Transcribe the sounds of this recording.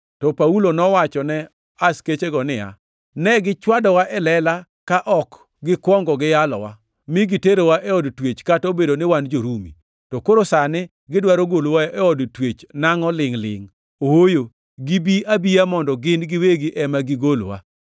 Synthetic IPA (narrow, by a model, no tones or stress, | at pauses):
tɔpaulonɔwat͡ʃɔnɛ | asket͡ʃeɡɔnɪja̰ | nɛɡɪt͡ʃwadɔwaʔɛlɛla | kaʔɔk | ɡɪkwɔŋɡɔɡɪjalɔ̰wa | mɪɡɪteɾowaʔɛɔdtwet͡ʃkatobedonɪwand͡ʒoɾumḭ | tɔkoɾosanɪ | ɡɪdwaɾoɡolwaɛɔdtwet͡ʃnaŋɔlɪŋlɪ̰ŋ | owojo | ɡibiʔabiamɔndɔɡɪnɡɪweɡɪʔɛmaɡɪɡolwa̰